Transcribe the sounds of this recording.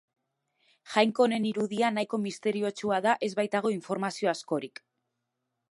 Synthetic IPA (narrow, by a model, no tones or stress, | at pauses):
ʝajŋko̞ne̞niɾuðianajko̞mist̪e̞ɾio̞t͡ʃuaðaʔe̞zβajt̪aɣ̞o̞iɱfo̞ɾmasio̞asko̞ɾik